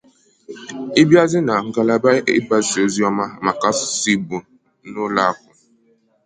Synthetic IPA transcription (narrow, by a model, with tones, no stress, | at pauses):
i˦bja˦zi˦na˨ŋ̩˨ɡa˨la˨ba˦i˦ba˦si˨o˦zi˦a˦ma˦˨ma˨ka˦ssi˦bu˨ | no˦la˦˨kʊ˨